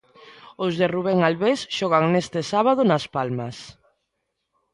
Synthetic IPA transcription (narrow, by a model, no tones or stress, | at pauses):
ozðeruβeŋalβesʃɔɣaŋnest̪esaβað̞ʊnaspalmɐs